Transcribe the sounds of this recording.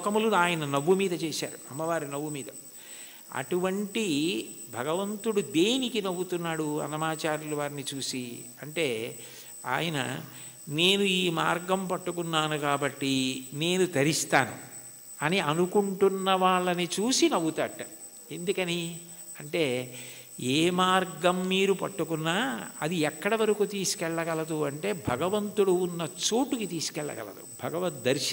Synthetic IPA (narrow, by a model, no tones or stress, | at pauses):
kɐmulunaːjɐnɐnɐʋːumiːd̪ɐt͡ʃeːʃa̰ːɾuɐmːɐʋaːɾinɐʋːumiːd̪ɐ | ɐ̰ʈuʋɐɳʈibʱɐɡɐʋɐnt̪uɽud̪eːnikinɐʋut̪unːaːɽuɐ̰nɐmaːt͡ʃaːɾuluʋaːɾinit͡ʃuːsiɐɳʈe̞ː | a̰ːjɐnɐ̰ | ne̞ːnuiːmaːɾɡɐmpɐʈːukunːaːnukaːbɐʈːine̞ːnut̪ɐɾist̪aːnṵ | ɐniɐnukuɳʈunːɐʋaːɭːɐnit͡ʃuːsinɐwut̪ɐːʈːɐ | e̞nd̪ukɐni | ɐɳʈe̞ː | eːmaːɾɡɐmːiːɾupɐ̰ʈːukunːaːɐ̰d̪iɛkːɐɽɐʋɐɾɐkut̪iːsu̥kɛɭːɐɡɐlɐd̪uɐɳʈe̞ːbʱɐɡɐʋɐnt̪uɽuːnːɐt͡ʃuːʈukit̪iːsu̥kɛɭːɐ̰ɡɐ̰lɐ̰d̪ṵbʱɐɡɐʋɐt̪̚d̪ɐɾʃɐ